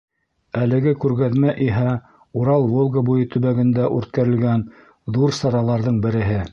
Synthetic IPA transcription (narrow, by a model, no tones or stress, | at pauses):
ælɘ̆ɡɘkʉɾɡæðmæʔiɦæ | uɾɑlˠvolˠɡabujɤt̪ɵ̆βæɡɘ̆nd̪æʔʉɾt̪̚kæɾɘ̆lɡæn | ðuɾsɑɾɑlˠɑɾðɤɴbɘ̆ɾɘ̆ɦɘ